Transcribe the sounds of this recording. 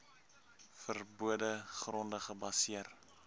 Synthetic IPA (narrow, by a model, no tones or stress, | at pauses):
fərbuədəχrɔndəχəbɐsiər